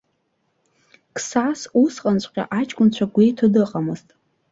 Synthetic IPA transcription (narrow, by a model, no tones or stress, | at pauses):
kʰʼsasusqʼant͡ɕʷʼqʲʼa̰ʔat͡ʃʼkʷʼʊnt͡ɕʷʰaɡʷejtʰudɨqʼamɨztʼ